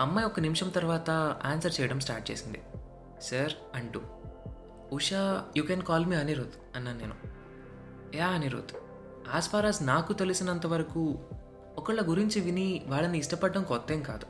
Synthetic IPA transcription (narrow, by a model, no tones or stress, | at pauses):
ɐmːɐjɔkɐnimʂɐmt̪ɐɾʋaːt̪ɐaːnsɐɾt͡ʃɛːjɐɽɐms̬ʈaːɾʈ̚t͡ʃeːsind̪i | sɐɾ | ɐɳʈu | uʂaːjuːkɛːnkaːlmiːɐniɾoːd̪ | ɐnːaːnːeːnu | jaːɐniɾo̰ːd̪u | aːspaːɾaːsnaːkut̪elusinɐnt̪ɐʋɐɾɐku | ɔkɐɭːɐɡuɾiɲt͡ʃiʋiniʋaːɭːɐniːʂʈɐpɐɖːɐmkɔt̪ːe̞ːmka̰ːd̪u